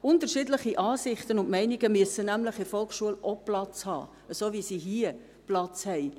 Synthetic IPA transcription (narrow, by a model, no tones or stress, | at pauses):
ʊntəɾʃiːdləχiʔɑːsɪχt̪ənʊntmɛɪniɡəmyəsənæmləχɪfɔlχʃuəlʔɔplɑt͡shɑ̰ː | əsoːvisiɦiə | plɑt͡shɛɪ